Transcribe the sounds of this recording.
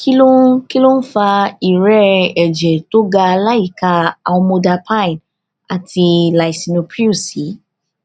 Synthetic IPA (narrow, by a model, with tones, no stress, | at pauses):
ki˦lo˦ki˦lo˦n̩˦fa˧i˨ɾɛ˦ɛ˨d͡ʒɛ˨to˦ɡa˧la˦i˦˨ka˧a˨wɔ̃˧mõ˧da˧pʰã˦˨n | a˨tʰi˧la˨i˨si˧no˧pɾi˦u˦˨si˨˦